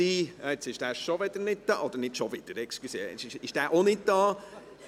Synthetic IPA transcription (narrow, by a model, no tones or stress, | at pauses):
iːɛt͡sɪʃd̥æːɾʃoʋɪd̥̪əɾnɪd̚d̥ɑ̰ːʔod̪əɾnɪtʃovɪd̪̥əɾɛksklysḛːɪʃɪʃd̥æːɾʔonɪt̚d̥ɑː